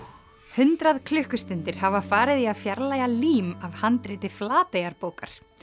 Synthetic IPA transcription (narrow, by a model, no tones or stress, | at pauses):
hʏnt̪ɾaðkʰlʏhkʏst̪ʏnt̪ɪɾ̥havafaːɾɪðiaðfjaɾlaːjaliːmavhant̪ɾɪːt̪ɪflaːt̪eːjaɾpoːwkaɾ̥